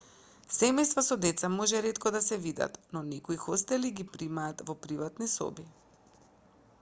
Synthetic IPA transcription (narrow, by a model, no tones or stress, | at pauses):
sɛmɛjst̪vasɔd̪ɛt̪samɔʒɛɾɛt̪kɔd̪asɛvid̪a̰t̪nɔnɛkoixɔst̪ɛliɡipɾimaːt̪vɔpɾivat̪nisɔ̰bi